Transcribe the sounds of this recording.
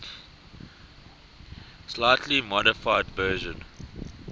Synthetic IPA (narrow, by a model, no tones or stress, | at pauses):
slaɪtʰlimɔɾɪfaɪdvɜːʒə̃n